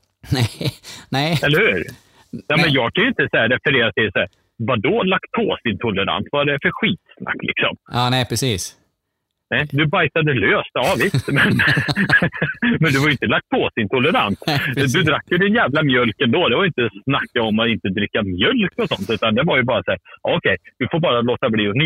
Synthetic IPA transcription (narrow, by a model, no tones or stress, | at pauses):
ɛnɛɛlːəhʉ̟ːɾ | jɑmɛnjɑːɡ̚kʰanʏɵɪnt̪əsahæːɾɛfəɾeːɾat̪ʰɪlsæːɾ | vad̪ɔlakt̪̚pʰoːsɪnt̪ʰʊlːəɾa̰nt̪vadɛfœɾɧiːt̪snʔa̰kːlʔɪ̰ksɔ̰mːnɛpʰɾɛsiːs | nɛɪd̪ɵbajsad̪əløːst̪ɑvɪst̪mɛn | mɛnd̪ɵvaɾjʏɪnt̪əlak̚t̪̚pʰoːsd̪ɪnt̪ʰʊlːəɾa̰nt̪d̪ɵd̪ɾakːjɵd̪ɪnjæːvlamjœlkɛnd̪oːd̪ɛvaɾjʏɪnt̪əsnakːaɔmːaɪnt̪əd̪ɾɪkːamjœlkɔsɔnt̪ʉ̟ːt̪and̪ɛvaɾjɵbɑːɾasæːɾɑ̰ɔkʰɛjd̪̥ɵfoːɾbɑːɾaloːt̪abliːɔn